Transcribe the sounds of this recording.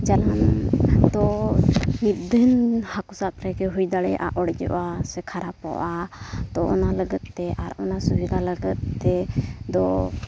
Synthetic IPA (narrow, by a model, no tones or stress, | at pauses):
d͡ʒanand̪ɔ | mit̪̚d̪ənhakusat̪̚ɾɛɡɛɦujd̪aɽɛjʔa̰ʔɔɽɛd͡ʒɔ̰ʔasɛkʰaɾapɔ̰ʔat̪ɔɔnaləɡət̪̚ːɛʔaɾɔnasubiɡaləɡət̪̚ːɛd̪ɔ